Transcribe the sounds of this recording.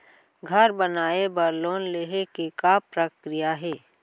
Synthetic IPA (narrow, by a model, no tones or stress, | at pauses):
ɡʱəɾbənaːebəɾloːnleɦekekapɾəkɾɪjaɦɛː